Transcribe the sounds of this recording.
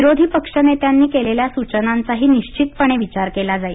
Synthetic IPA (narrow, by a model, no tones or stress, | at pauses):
iɾod̪ʱiːpəkʂənet̪janːiːkeleljasut͡ɕənant͡saɦiːniɕt͡ɕit̪̚pəɳ̃eʋit͡ɕaɾkelad͡zai